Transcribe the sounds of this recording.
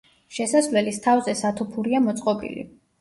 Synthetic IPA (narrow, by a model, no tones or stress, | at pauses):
ʃɛsasvlɛlist̪ʰavzɛsat̪ʰupʰuɾiamɔt̪sʼqʼɔbḭlḭ